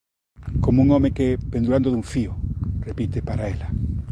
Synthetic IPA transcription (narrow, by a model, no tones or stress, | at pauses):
komuŋomekepend̪uɾand̪oðuɱfiorepit̪epaɾaela